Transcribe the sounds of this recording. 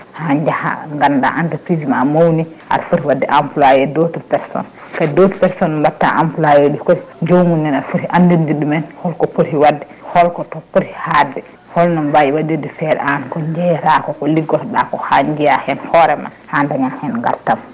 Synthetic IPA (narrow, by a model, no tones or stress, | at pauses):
haɲd͡ʒaha̰ŋɡanda̰ʔantapɾismamowni | a̰ɾfuɾiwadːɛʔampulajɛdotuɾpɛɾsɔ̰n | kadotupɛɾsɔnːɔbatːa̰ʔampulajoɗikɔd͡ʒowmunːɛnaɾfuɾiʔandindiɗumɛnhɔlkɔpoɾiwadːɛhɔlkɔtɔpːuɾihadɛ | hɔlnɔnbajiwadidifɛɾɛ̰ʔankɔɲd͡ʒɛjɾakɔkɔliɡɔɾɗakɔhaɲd͡ʒijahɛnhɔɾɛma̰handaɲahɛnŋɡa̰ltam